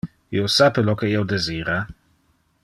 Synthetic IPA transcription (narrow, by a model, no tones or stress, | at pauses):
iosapelokeiod̪eziːɾa